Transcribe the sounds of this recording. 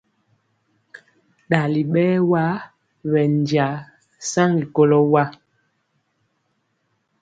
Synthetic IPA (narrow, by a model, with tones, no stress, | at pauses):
ɗa˨li˨ɓɛː˦wa˦ | wɛ˨n˨d͡ʒja˨ | sa˦ŋɡi˨ko˦lɔ˦wa˦